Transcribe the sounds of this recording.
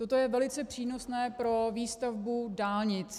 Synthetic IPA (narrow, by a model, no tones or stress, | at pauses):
t̪ot̪o̞jɛvɛlɪt͡sɛpr̝̥iːno̞snɛːpɾo̞viːst̪avbudaːlɲɪt͡s